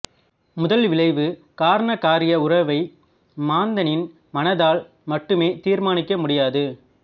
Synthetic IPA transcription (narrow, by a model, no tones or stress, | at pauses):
mʊðɐlʋɪɭɐɪʋɯ | kaːɾɐɳɐkaːɾɪjɐʊɾɐʋɐɪ | maːnd̪ɐnɪn | mɐnɐðaːl | mɐʈːɯmeːt̪iːɾmaːnɪkːɐmʊɽɪjaːðɯ